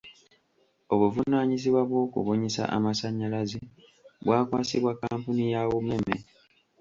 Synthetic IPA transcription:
o̞βuvunaːɲiziβwaβwo̞ːkṵβoɲisa̰ʔa̰masaɲːalazi | βwaːkwaːsiβwakaːmpunijawome̞me

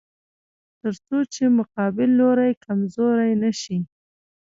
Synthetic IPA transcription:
t̪əɾt͡sot͡ʃemʊqɑbɪlːoɾajkamzoɾajnaʃi

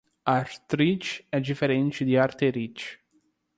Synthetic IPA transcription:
aɾt̪ɾit͡ʃɛd͡ʒ̪ifeɾɛnt͡ʃid̪iaɾt̪eɾit͡ʃ

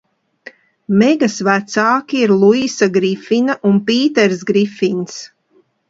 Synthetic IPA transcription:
mɛɡasvæt̪saːkʲiiɾlˠuisaɡɾifinaʔunpiːt̪ɛɾsɡɾifins

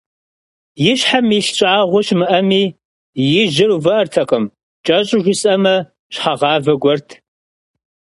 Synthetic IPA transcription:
jɪɕħamiɬɕʷʼaːʁʷʊɕmɨʔɐmiː | jɪʒɪruvɐʔɐrtʰɐqʼəm | t͡ʃʼɐɕʼʊʒʷʊsʼɐmɐ | ɕħaʁɑːvɐɡʷɔrtʰ

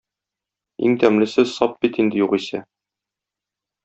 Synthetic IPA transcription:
ḭŋt̪æmlɘ̆sɘzsɒp̚bit̪ind̪ɘ̆juqisæ

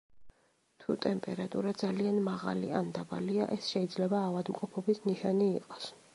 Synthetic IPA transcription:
t̪ʰut̪ʼɛmpʼɛɾat̪ʼuɾad̪zalianmaʁa̰lḭand̪aba̰liaʔɛsʃɛid̪zlɛbaːvad̪mqʼɔpʰɔbisniʃaniːqʼɔ̥s

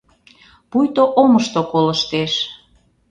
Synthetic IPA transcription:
pujt̪oʔoməʃt̪okoləʃt̪eʃ

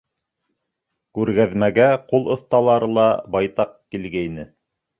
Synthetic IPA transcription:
kʉɾɡæðmæɡæqulˠŏθt̪ɑlˠɑɾɤlˠɑbɑjt̪ɑq̚kilɡæjnɘ

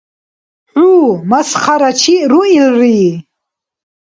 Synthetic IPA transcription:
ʕuːmasχaɾat͡ʃʰiɾuilri

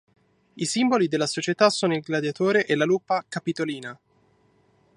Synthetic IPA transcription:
isimbolid̪elːasot͡ʃet̪asːoːnoilɡlad̪jat̪oːɾeʔelalupːakapit̪oliːna

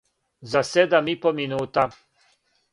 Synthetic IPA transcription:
zased̪amipominuːt̪a

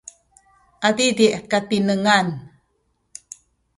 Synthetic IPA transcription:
ʔad̪idiʔkat̪inəŋan

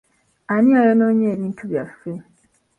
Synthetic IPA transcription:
aniajonoːɲeːβiːntʰuβjafe

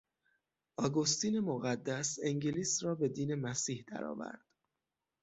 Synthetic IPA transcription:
ʔɒːɡost̪iːne̞moɣæd̪ːæseŋɟeliːsrɒːbe̞d̪iːne̞mæsiːhd̪æ̰ɾɒ̰ːvæ̰ɾd̪̥

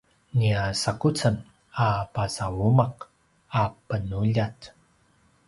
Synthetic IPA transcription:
niasakut͡sən | apasawumaq | apənuʎat

